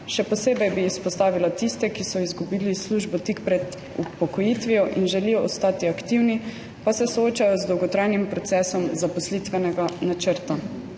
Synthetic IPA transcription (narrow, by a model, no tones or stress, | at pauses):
ʃɛpɔseːbɛjbiːspɔst̪aːʋilat̪ist̪ɛkisɔizɡubiːlisluʒbɔt̪ikpɾɛd̪ | upɔkɔjit̪ʋijɔʔinʒɛlijɔːst̪aːt̪iakt̪iwni | pasɛsɔoːt͡ʃajɔzd̪ɔwɡɔt̪ɾajnimpɾɔt̪sɛːsɔmzapɔslit̪ʋɛnɛɡanat͡ʃəɾt̪a